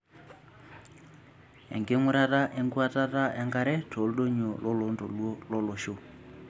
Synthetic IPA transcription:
ɛ̰˨ŋɡe˦ŋu˦ɾa˦ta˦ʔɛ˦ŋɡu˦a˦tʼa˦ta˦ʔɛ˦ŋɡa˦ɾɛ˦tʰo˨˦lu˦do˦ɲɔ˨lɔ˦lo˨˦ndɔ̰˨lwɔ˦lɔ˦lo˨ʃo˨

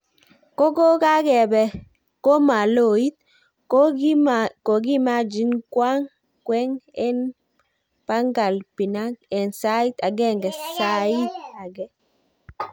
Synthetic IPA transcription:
ko˦ɡo˦ka˦ɡɛ˨bɛ˨ | ko˦ma˨lo˦˨i˦t̪̚ | ko˨ɡi˦ma˦d͡ʒi˦nkwa˦ŋ | kwɛ˦ŋɛ˦n | pa˦ŋɡa˨lpi˨na˦k̚ɛ˨nsa˦i˦t̪a˨ɡɛ˦ŋɡɛ˨sai˦t̪̚a˨ɡɛ˦

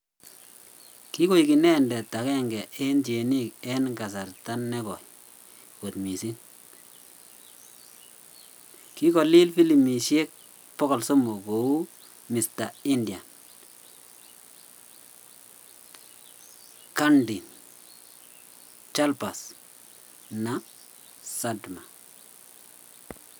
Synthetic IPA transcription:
ki˦ko˦jki˨nɛ˦ndɛ˨ta˨kɛ˦˨ŋɡɛ˨ɛ˦nt͡ʃe˨ni˦kɛ˦nɡa˨s̬a˨rta˦nːɛ˦kɔ˨j | ko˨tmi˨si˦n | ki˦kɔ˨li˦lfi˦li˨mi˨ʃe˦k̚ | pɔ˦kɔ˨lso˦mo˨ko˨u˦ | mi˨sta˨i˦ndi˨a˨n | ka˦ndi˨n | t͡ʃa˦lpa˨s | na˨ | sa˦dma˨

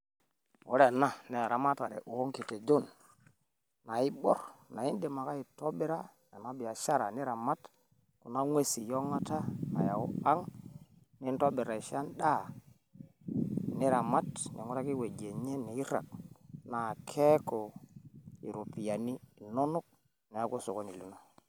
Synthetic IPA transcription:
wo˦ɾe˨na˦˨ne˨a˨ɾa˨˦ma˦ta˨ɾḛ˨ʔu˨o˦ŋki˨te˨d͡ʒo˦˨n | na˨i˦bo̰˦ɾna˨i˦nde˨ma˨ka˦i˨to˦bi˦ɾa˦ | a˨na˦bi˨a˨ʃa˦ɾa̰˨ni˦ɾa˨ma˦t | ku˨na˦ŋʷwe˦si˨jo˦ŋa˦ta˦a̰˨ja˨u˦a˦ŋ | ni˦nto˦bi˨ɾa˨i˨ʃa˦nda˦˨ | ni˦ɾa˨ma˦tɲo̰˨ŋu˦ɾa˦ki˦we˨ɡe˨ɲe˦ni˨i˦ɾa̰˨k̚na˨kʰe˦ko˨ | i˨ɾu˨pi˨ja˨ni˦˨no˦nu˦k̚ | ne˨a˦ko˦so˨ko˦ni˨lu˦no˦

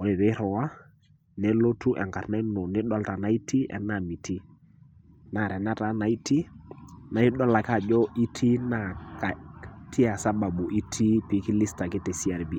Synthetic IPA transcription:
wɔ˨lɪ˨ɾɛ˦ɾɔ˨wa˦ | nɛ˦lo˦tu˦ʔɛ̰˨ŋka˨ɾnɛ˦nɔ˨nɪ˦ɗɔ˦lta˨na˨˦i˦ti˦ɛ̰˦na˨mi˨tʰi˦ | na˨ɾɛ˨na˦ta˨˦na˨i˦ti˦na˨˦i˦ɗɔ˦la˨ka˦˨d͡ʒɔ˦ʔi˦tʰi˦na˨ka˨tʰi˦a˨sa˦ba˨bu˨ʔi˦tʰi˦pi˨˦ki˦li˦sta˨kɪ˦tɛ˨si˦a˨ɾbi˨

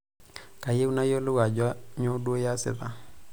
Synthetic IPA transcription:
ka˨je˦u˦na˦jo˦lʊ˦wa˨d͡ʒa˦ɲo˦dwo˦ja˦sɪ̰˨ða̰˨

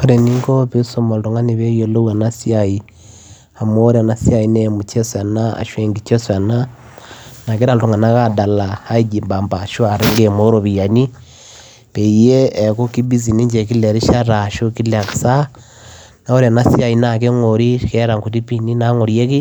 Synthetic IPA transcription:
ko˦ɾe˨ni˦ŋɡo˦pe˦so˦mo˨lto˨ŋa˦ni˨βe˦jo˨lo˦wa˨na˦si˦a˨i | a˨mo˦o˦ɾa˨na˦si˦a˨i˦nemu˨t͡ʃe˦swa˨na˦a̰˨ʃwe˨ŋɡi˨t͡ʃe˦swa˨na | na˨ke˦ɾa˦lto˨ŋa˨na˦ɣa˦da˨la˨ha˦i˦ɟi˨mba˨mba˨ʃo˦a˨ɾe˦ŋɡe˨mo˦ɾo˨βi˨ja˨ni˦ | pe˨i˨jeː˦˨ko˦ki˦bi˦zi˨ni˦ɲd͡ʒe˨ki˦le˨ɾi˦ʃa˦ɾa˨ʃo˦ki˦la˨kḁ˨sa˦ | na˨˦o˦ɾa˨na˦si˦a˨i˦nake˦ŋoɾi˦ke˦ɾa˨ŋko˨ti˦pi˦ni˦na˦ŋo˨ɾje˦ki˦

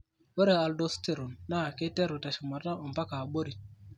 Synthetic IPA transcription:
wo˦ɾe˨a˨ldo˦ste˨ɾu˨nːa˦˨ke˦te˦ɾu˨ta˨ʃɪ˨ma˨ta˦o˨mpa˦ka˨bo˦ɾi˨

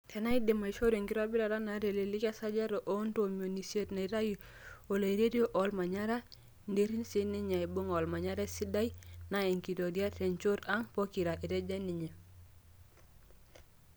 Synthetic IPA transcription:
tʰe˨na˦i˦de˨ma˨i˨ʃo˦ɾe˨ŋki˦ɾbi˦ɾa˨ɾa˦na˨˦ɾe˨le˨li˦ka˦sa˦d͡ʒa˦ɾo˨ʔo˦nto˨mio˨ni˨sje˦tna˨i˨ɾa˦ji˨ | o˨la˨i˨ɾe˦ɾi˦o˦ʔo˨˦lma˨ɲa˦ɾa˦ | nde˦ɾi˦nsi˦ni˦ɲa˨i˨bu˦ŋo˨lma˨ɲa˦ɾe˦si˦da˦jna˨e˨ŋki˨to˨di˦a˦te˨nt͡ʃo˦ɾa˦ŋpo˦ki˨ɾa˨ʔi˨ɾe˦d͡ʒe˦ni˨ɲe˨

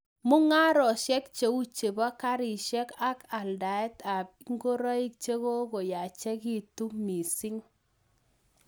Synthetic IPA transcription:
mʊ˦ŋa˦ɾɔ˨ʃɛ˦k̚t͡ʃe˦u˦t͡ʃe˨ba˦ka˦ɾi˨ʃɛ˦ka˦ka˨lda˨ɛ˦ta˨pŋɡo˦ɾa˦i˦k̚t͡ʃe˦ɣo˦ɡo˨ja˨t͡ʃɛ˦ki˦˨tu˦mi˨si˦ŋ

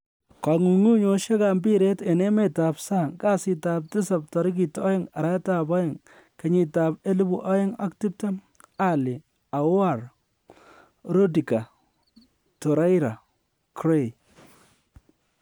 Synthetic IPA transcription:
ka˨ŋu˨ŋu˦ɲo˨ʃe˦ka˨mbi˦ɾe˦te˨ne˦me˦ta˨psa˦˨ŋka˦si˨ta˨p̚tɪ˦sa˨p̚tɔ˨ɾi˦k̬i˨tɔ˦ɪ˦ŋa˨ɾa˦ta˨bɔ˦ɪ˨ŋ | ke˨˦ɲi˨ta˨pe˦li˦bu˦ʔa˦jɪ˦ŋa̰˦kti˦p̚ta˦ | a˦li˨ | a˨˦a˦˨ɾ | ɾo˦di˨ka˨ | tɔ˨ɾa˦jɾa˨ | kɾe˦˨j

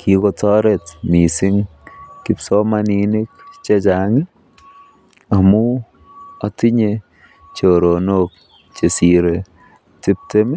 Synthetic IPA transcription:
kʰiko˧tɔ˦ɾetmi˨sɪ˦ŋ | ki˦psɔ˦manini˦k̚t͡ʃe˦t͡ʃa˨ŋi˦ | a˨mu˦ | a˦ti˦ɲe | t͡ʃo˨ɾo˨nok̚ | t͡ʃe˨si˨ɾe | ti˦p̚te˦mɛ˦

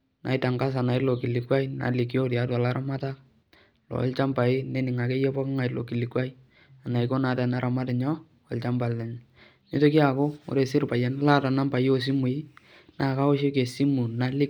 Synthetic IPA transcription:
nʔa̰˨ɪ˦ta˨ŋka˦s̬a˨na˨ɪ˦lo˨ki˨lɪ˨kwa˦i˦na̰˨lɪ˨k̬i˦o˦tja˨˦twa˨la˦ɾa˦ma˦ta˦k | lɔ̰˨˦lt͡ʃa˦mpa˨ɪ˦ne˦nɪ˨ŋa˨ke˦jɛ˦pɔ˦ka˦ŋa˨ɪ˦lo̰˨ki˨lɪ˨kwa˦i˦ | a˨na˨ɪ˦ko˦na˨ta˨na˦ɾʔa˨ma˦tɪ˨ɲɔ˦ | ɔ˨lt͡ʃa˦mba˨lɛ˨ɲ˨ | ne˦to˦ki˦a˨ko˦o̰˨ɾe˨sɪ˦ɾpa˨ja˨n˦la˦ta˨na˦mpa˨jo˦s̬i˦mu˨ɪ˦ | na˨ka˦o˦ʃe˦ke˨si˦mu˨na˦lɪ˦k

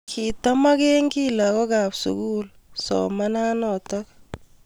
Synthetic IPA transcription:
kʰi˨tɔ˦ma˦ke˦ŋɡi˦la˨kɔ˦ka˨psṵ˨ku˦l | sɔ̰ma˦na˦nɔ˨tɔk

